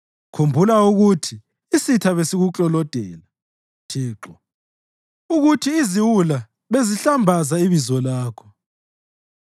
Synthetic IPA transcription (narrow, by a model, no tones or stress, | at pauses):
kʰumbʱulauɣutʰiː | sitʰaβesiɣuǁʼɔlɔd̥ʱɛːla | tʰiːǁɔ | uɣutʰiːziwula | βeziɬambʱazaiβizɔlaːkʰɔ̥